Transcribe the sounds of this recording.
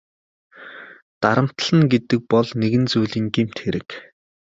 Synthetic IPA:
t̪aɾə̆m̥t̪ɮə̆ŋɡet̪ɘ̆k̚pɔɮneɣɘ̆nt͡suːɮiːŋɡem̥t̪xeɾɘ̆k

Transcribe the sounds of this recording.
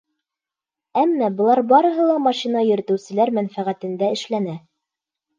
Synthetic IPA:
æmːæbɤ̆lˠɑɾbɑɾɤ̆ɦɤ̆lˠɑmɑʃinɑjɵ̆ɾɘ̆t̪ɘ̆wsɘ̆læɾmænfæʁæt̪ɘ̆nd̪æɘ̆ʃlænæ

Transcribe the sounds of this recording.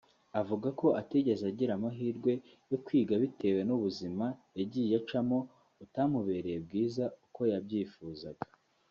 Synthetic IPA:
avuɡako̞ʔateɟe̞zaɟiɾamaɦiːɾɡwe̞ | jo̞kwiːɡaβite̞we̞nuβuzimajaɟiːjat͡ʃamo̞ | utamuβe̞ɾejeb̚ɡiːzauko̞jabɟiːfuːzaɡa

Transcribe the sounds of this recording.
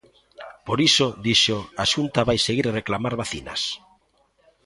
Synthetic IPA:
poɾisod̪iʃoaʃunt̪aβajseɣiɾreklamaɾβaθina̰s

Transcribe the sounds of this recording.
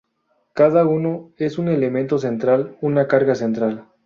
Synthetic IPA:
kaðauno̞e̞sune̞le̞mẽ̞nt̪o̞s̬e̞nt̪ɾalunakaɾɣase̞nt̪ɾal

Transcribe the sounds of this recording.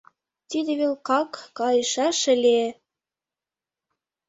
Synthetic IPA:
t̪id̪ĕβelkɑkːɑjɤʃɑʃɘ̆lʲe

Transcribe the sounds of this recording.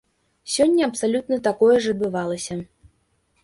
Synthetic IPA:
sʲɔnʲːɐɐpsalʲut̪nɐt̪akɔjɛʐɐd̪bɨvalˠɐsʲɐ

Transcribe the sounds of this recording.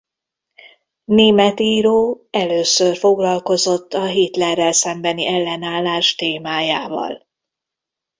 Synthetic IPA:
neːmɛt̪iːɾoː | ɛløːsørfo̞ɡlɒlko̞zo̞t̪ːɒɦeːt̪lɛrːɛlsɛmbɛniʔɛlːɛnaːlːaːʃt̪eːmaːjaːvɒ̰l

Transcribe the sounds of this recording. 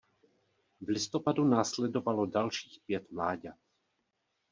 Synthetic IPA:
vlɪst̪opad̪unaːslɛd̪ovalodalʃiːxpjɛt̪mlaːɟa

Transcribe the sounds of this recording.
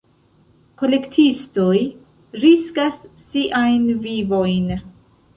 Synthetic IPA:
kʰolektʰistoj | ɾiskasː | iʔajnvivo̞jn

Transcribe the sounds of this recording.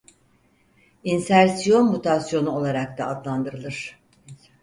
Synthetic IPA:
insæɾsijo̞nmut̪ʰasjo̞nuo̞lˠaɾak̚t̪aːd̪lˠand̪ɯɾɯlˠɯɾ̝̥

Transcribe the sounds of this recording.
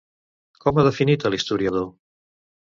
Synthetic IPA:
kɔmaðəfinit̪əlist̪uɾiəð̞o

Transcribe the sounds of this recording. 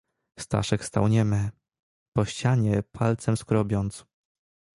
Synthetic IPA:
st̪a̰ʂɛkst̪a̰wɲɛmɛ | pɔɕt͡ɕaɲɛpʰalt̪sɛmskɾɔbʲjɔnt̪s

